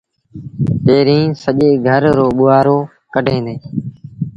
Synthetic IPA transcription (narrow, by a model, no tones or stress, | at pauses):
peːɾĩːsəʄeːɡʱəɾɾoːɓʊaːɾoː | kəɖʱẽːnd̪eː